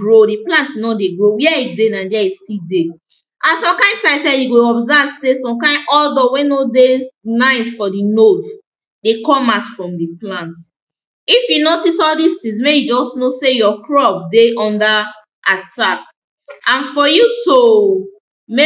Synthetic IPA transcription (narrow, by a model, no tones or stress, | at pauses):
ɡɹodiplãntnɔdeɡɹowɛidenãdɛistide | ãnsɔ̃mkãɪ̃ntãɪ̃nsɛjuɡoɔbzavsesɔ̃mkãɪ̃nɔldɔwẽnodenãɪsfɔdinoz | dekɔ̃maʊtfɹɔ̃mdiplãnt | ifjunotisɔldistĩŋs̬mejud͡ʒɔsnosejɔkɹɔp̚deʔɔ̃nda | atap̚ | ãnfɔjuto | me